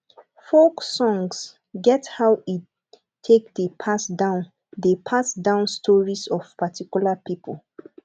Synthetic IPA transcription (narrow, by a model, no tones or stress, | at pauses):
foksɔ̃ŋs | ɡɛthawi | tʰekdəpʰasdãʊ̃n | depʰasdãʊ̃nstʰɔɹisɔv̥patʰikjulapipʰol